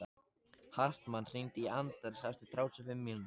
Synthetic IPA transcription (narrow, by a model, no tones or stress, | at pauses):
a | har̥t̪manːr̥int̪iant̪aɾsajft̪ɪt̪ʰɾaːwsʏfɪmːiln